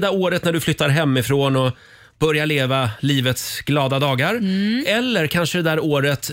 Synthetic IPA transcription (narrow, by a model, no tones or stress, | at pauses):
d̪aɾoːɾət̪næɖɵflʏt̪ːaɾɦɛmːɪfɾoːnɔ | b̥œɾjaɭeːvaliːvət̪sɡlɑːd̪ad̪ɑːɡaɾɛlːəɾkʰanʂəd̪ɛd̪æːɾoːɾət̪